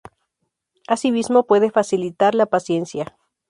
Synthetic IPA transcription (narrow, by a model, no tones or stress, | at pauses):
asimizmo̞pwe̞ðefasilit̪aɾlapasje̞nsja